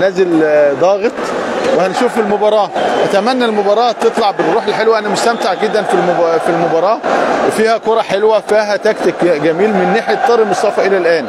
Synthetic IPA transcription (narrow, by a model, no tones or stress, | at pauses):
næːzeld̪ɑːɣet̪ˤwehænʃuːfelmobɑɾˤɑːʔæt̪æmænːælmobɑːɾˤɑːt̪et̪ˤlɑʕbeɾrːuːħelħelwæʔænæmost̪æmt̪aʕɡed̪ːænfimfilmobɑɾˤɑːwefiːhækoɾˤɑħelwæfiːɦæt̪ækt̪ikɡæmiːlmɪnːeħjet̪ːɑːɾˤemosˤɑfɑʔelælʔæːn